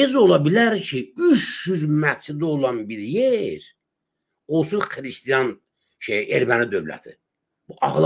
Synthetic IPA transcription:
izo̞lˠɑbilæɾcʰiyʃːyzmæt͡ʃʰid̪olˠɑnbiɾjeɾ | olˠsunχɾist̪ijɑn | ʃeeɾmænid̪ø̞vlæ̰t̪ʰḭ | b̥uʔɑχlˠ

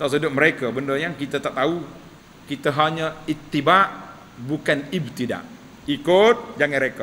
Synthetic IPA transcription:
t̪aʔs̬ədʊməɾekəbəndəjaŋkit̪ət̪aʔt̪au | kit̪əɦaɲəit̪ːibaʔ | bukanib̚t̪ida̰ʔ | ikʊt̪̚d͡ʒaŋaɾekə

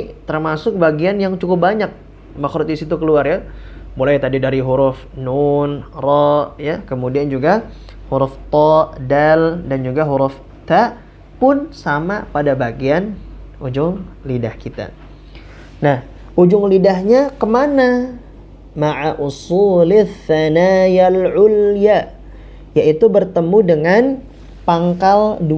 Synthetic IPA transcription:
t̪ərmasʊk̚baɡianjaŋt͡ʃukʊp̚baɲak̚ | maxɾʊt̪̚isit̪ukəluarjabolajt̪adidaɾiɦuɾʊfnunrɔʔjakəmudiand͡ʒuɡa | huɾʊft̪ɔʔdaldand͡ʒuɡaɦuɾʊf | t̪aʔ | pʊnsama̰padabaɡianʔud͡ʒʊŋlidahkit̪a̰ | nah | ʔud͡ʒʊŋlidahɲakəmana | maʕaʔusulaθanajalʕulja | jaʔit̪ubərt̪əmudəŋan | paŋkaldu

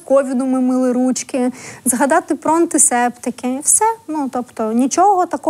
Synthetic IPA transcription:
kɔʋʲid̪ʊmɪmɪlˠɪɾut͡ʃkʲɪzɦɐd̪ɑt̪ɪpɾɔɐnt̪ɪsɛpt̪ɪkʲɪwsɛnut̪ɔpt̪ɔnʲit͡ʃɔɦɔt̪ɐkɔ

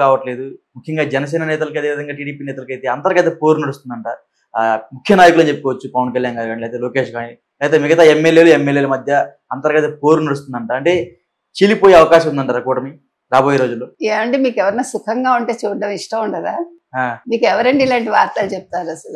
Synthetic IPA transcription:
kaːʋɐʈle̞ːd̪umukʰjɐŋɡaːd͡ʒɛnɐs̬ɛːnɐnɛːt̪̬ɐlɐkɐd̪eʋid̪ɐŋɡaːʈiːɽiːpiːnɛːt̪ɐlɐkɐjt̪eːɐnt̪ɐɾɐɡɐt̪epoːɾunɐɽust̪und̪ɐɳʈaːɾ | mukʰjɐnaːjkulɐnd͡ʒepːukɔːʋɐt͡ʃːupɐʋɐnkɐljaːnɡaːɾɡaːɳlɛːt̪eːloːke̞ːʂɡaːɳi | lɛːt̪eːmiɡɐt̪ɐemːelje̞ːluemːeljeːlɐmɐd̪ʱjɐ | ɐnt̪ɐɾɡɐt̪ɐpoːɾunɐɽus̬t̪und̪ɐɳʈaːɐɳʈe̞ː | t͡ʃilipo̞ːjeɐʋɐkaːʃɐmund̪ɐɳʈaːɾɐkuːʈɐmi | ɾaːboːjeɾo̞ːd͡ʒulːoːeːʋɐɳɖimiːkɛʋɐɾɐnaːsukʰɐŋɡaːuɳʈeːt͡ʃuːɖɐmiʂʈɐmuɳɖɐd̪aː | aːmiːkɛʋɐɾɐɳɖilɐɳʈiʋaːɾt̪aːlut͡ʃep̚t̪aːɾɐsɐ

